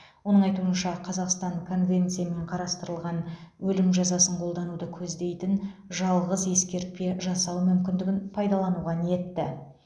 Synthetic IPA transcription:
wo̞nəɴɑjt̪uənʃɑqʰɑzɑqst̪ɑɴkʰo̞nvʲe̞nt̪sijame̞ɴqʰɑɾɑst̪əɾəlˠʁɑnwɵlɪmʒɑzɑsəɴqʰo̞lˠd̪ɑnud̪əkʲʰɵzd̪e̞jt̪ɪnʒɑlˠʁəze̞skʲe̞ɾt̪̚pe̞ʒɑsɑwmʏmkʲɪnd̪ɪɡʲɪnpʰɑjd̪ɑlˠɑnuʁɑnije̞t̪ːɪ

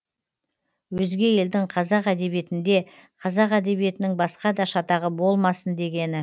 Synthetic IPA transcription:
wɵzɡʲe̞je̞ld̪ɪɴqʰɑzɑqæd̪e̞bije̞t̪ɪnd̪e̞ | qʰɑzɑqæd̪e̞bije̞t̪ɪnɪŋbɑsqɑd̪ɑʃɑt̪ɑʁəbo̞lˠmɑsənd̪e̞ɡʲe̞nɪ

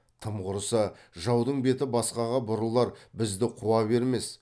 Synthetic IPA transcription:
t̪ʰəmʁʊɾsə | ʒɑwd̪əɴbe̞t̪ɪbɑsqɑʁɑbʊɾəlˠɑɾbɪzd̪ɪqʰuwɑbe̞ɾme̞s

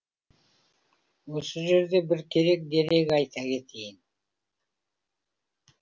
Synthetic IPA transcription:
wo̞səʒe̞ɾd̪e̞bɪɾkʲʰe̞ɾe̞k̚d̪e̞ɾe̞ɡʲɑjt̪ʰɑkʲe̞t̪ʰejɪn

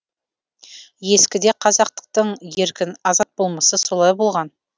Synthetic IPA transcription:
je̞skʲɪd̪e̞qʰɑzɑq̚t̪ə̥q̚t̪əɴje̞ɾkʲɪnɑzɑt̪̚bo̞lˠməsəso̞lˠɑjbo̞lˠʁɑn

